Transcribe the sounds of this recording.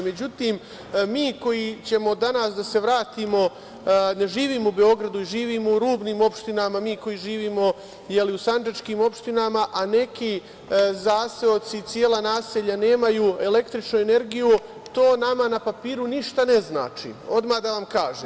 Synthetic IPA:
me̞d͡ʑut̪iːm | miːko̞jit͡ɕe̞mo̞d̪anasd̪ase̞ʋɾaːt̪imo̞ | ne̞ʒiːʋiːmoube̞o̞ɡɾad̪uiʒiːʋiːmouɾuːbniːmo̞pʃt̪inamamiːko̞jiʒiːʋiːmo̞ | je̞liusand͡ʒat͡ʃkiːmo̞pʃt̪inamaʔane̞ki | zaːseo̞t̪sit̪sje̞ːlanaːseʎane̞ːmajuːe̞le̞kt̪ɾit͡ʃnuene̞ɾɡiju | t̪o̞ːnamanapapiːɾuniʃt̪ane̞zna̰ːt͡ʃḭo̞d̪mahd̪aʋamkaːʒeː

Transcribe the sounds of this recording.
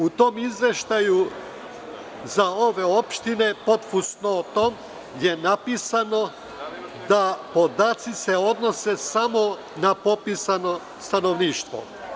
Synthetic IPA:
ut̪o̞mizʋeʃt̪aju | zao̞ʋe̞o̞pʃt̪ine̞pod̪fusnot̪om | je̞napiːsano̞ | d̪apo̞d̪aːt̪siseo̞d̪no̞se̞samo̞ | napo̞pisano | st̪ano̞ʋniːʃt̪ʋo̰

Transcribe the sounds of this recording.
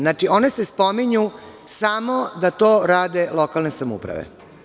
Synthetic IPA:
naːt͡ʂio̞nesespo̞miɲu | samod̪at̪o̞ːɾaːd̪e̞lokalne̞samṵpɾa̰ʋḛ

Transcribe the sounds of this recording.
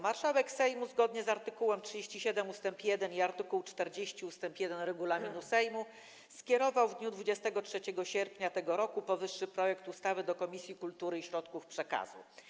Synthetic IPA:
maɾʂawɛksɛjmuzɡɔd̪ɲɛzaɾt̪ɘkuwɛmtʂɘd͡ʑeɕt͡ɕiɕɛd̪ɛmust̪ɛmpjɛd̪ɛniaɾt̪ɘkuwt͡ʂt̪ɛɾd͡ʑeɕt͡ɕiust̪ɛmpjɛd̪ɛnɾɛɡulamʲinusɛjmu | skʲɛɾɔvawvd̪ɲud̪vud͡ʑɛst̪ɛɡɔtʂɛt͡ɕɛɡɔɕɛɾpɲat̪ɛɡɔɾɔkupɔvɘʂːɘpɾɔjɛkt̪ust̪avɘd̪ɔkɔmʲisʲjikult̪uɾɘiɕɾɔt̪kufpʂɛka̰zṵ

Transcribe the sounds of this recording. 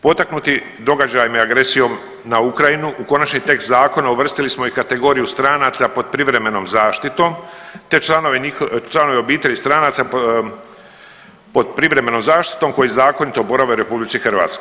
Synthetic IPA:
po̞t̪aknut̪i | d̪o̞ɡad͡ʑajimiaɡɾe̞sijo̞m | naukɾajinuʔuko̞nat͡ʃnit̪e̞kst̪zaːko̞nauʋr̩st̪ilismo̞ihkat̪e̞ɡo̞ːɾijust̪ɾaːnat̪sapo̞d̪̚pɾiʋɾe̞me̞no̞ːmzaːʃt̪it̪o̞ːmt̪e̞t͡ʃlˠanoʋeɲit͡ʃlˠano̞ʋeo̞biːt̪e̞ʎist̪ɾaːnaːt̪sa | po̞d̪̚pɾiʋɾe̞me̞nomzaːʃt̪i̥t̪o̞mko̞jizaːkonit̪o̞bo̞ɾaʋauɾe̞publit̪sixr̩ʋa̰ːt̪sko

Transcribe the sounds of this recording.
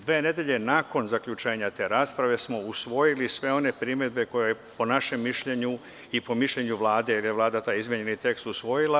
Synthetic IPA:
d̪ʋeːne̞d̪e̞ʎe̞nako̞nzakʎut͡ʃe̞ːɲat̪e̞ːɾaːspɾaʋe̞smo̞usʋo̞jilisʋe̞o̞ne̞pɾime̞d̪̚be̞ko̞jajepo̞naʃe̞mːiʃʎe̞ɲu | ipo̞miʃʎe̞ɲuʋlˠaːd̪e̞ilijeʋlˠaːd̪at̪ajizmjeɲenit̪e̞kst̪usʋo̞jila

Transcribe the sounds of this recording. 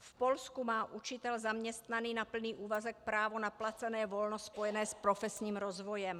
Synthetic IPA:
fpolskumaːʔut͡ʃɪt̪ɛlzamɲɛst̪naniːnapl̩niːʔuːvazɛk̚pɾaːvonaplat͡sɛnɛːvolnospojɛnɛːspɾofɛsɲiːmɾozvojɛm

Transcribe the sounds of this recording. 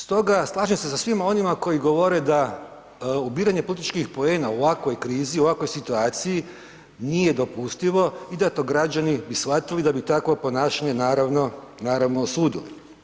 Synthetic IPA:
st̪o̞ɡaslˠaːʒimse̞sasʋimao̞nimako̞jiɡo̞ʋo̞ɾed̪a | ubiːɾaɲe̞po̞lit̪it͡ʃkixpo̞e̞ːnaoʋakʋo̞jkɾiːzio̞ʋako̞jsit̪uaːt̪siji | nije̞d̪o̞pust̪iʋo̞id̪at̪o̞ɡɾad͡ʒanibisfʋat̪ilid̪abit̪akʋo̞po̞naːʃaɲe̞naːɾaʋno | naːɾaʋnosuːd̪ḭlḭ

